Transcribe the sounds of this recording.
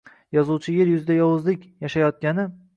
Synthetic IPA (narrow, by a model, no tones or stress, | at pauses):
jɒzuwt͡ʃʰɪjeɾjʊzɪd̪ajɒwʊzlɪkʲjaʃajɒt̪̚kʲanɪ